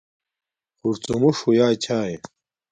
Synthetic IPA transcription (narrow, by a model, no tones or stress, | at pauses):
uɾt͡sumuʂujaːt͡ɕʰaːje